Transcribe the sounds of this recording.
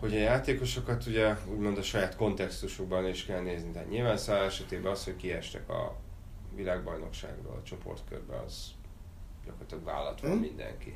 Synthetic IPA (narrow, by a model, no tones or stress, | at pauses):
ho̞ɟɒjaːt̪eːko̞ʃokɒt̪uɟɛuːɟmo̞nd̪ɒʃɒjaːt̪ko̞nt̪ɛkst̪uʃo̞ɡ̚bɒløiʃkɛlneːznit̪ɛɦaːt̪ɲilvaːnsaːlɛʃɛt̪eːbɛɒsho̞ckiɛʃt̪ɛkɒ̰ | vilaːɡbɒjno̞̰kʃa̰ːɡro̰ːlɒt͡ʃo̞po̞̰rt̪kørbɛ̰ɒ̰z̥ | ɟɒkoːrt̪ɒɡva̰ːlːɒt̪ʋɒmmind̪ɛ̰ŋki